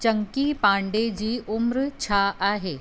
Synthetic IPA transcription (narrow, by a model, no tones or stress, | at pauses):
t͡ɕɐŋkipãːɳɖed͡ʑiːʔʊmɾt͡ɕʰaʔaːɦeː